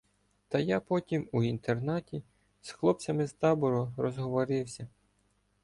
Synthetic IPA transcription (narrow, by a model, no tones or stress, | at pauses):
t̪ɐjapɔtʲimuint̪ernɑtʲi | sxlˠɔp̚t͡sʲɐmɪzt̪ɑbʊɾɔɾɔzɦɔʋɔɾɪwsʲɐ